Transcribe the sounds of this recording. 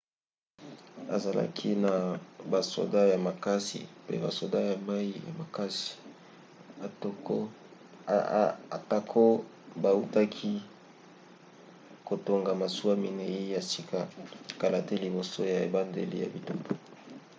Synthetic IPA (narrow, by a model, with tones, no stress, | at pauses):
a̰˨za˨la̰˦kʰi˦na˨ba˨so̰˨da˦ja˨ma˨ka˦sḭ˨pḛ˦ba˨so˨da˦ja˨ma˦i˦ja̰˨ma˨ka˦si̥˨ | a˨to˨ko˦˨ | a˨ta˨kʰo˦ | ba˨u˦ta˦kʰi˦ | ko˨to˨ŋɡa˨ma˨su˦a˦mi˨ne˨i˦ja˨si˨kʰa˦˨ka˨la˨te˦li˨bo˨so˦ja˨e˨ba˦ndḛ˨lḭ˦ja̰˨bi˨to˦po˨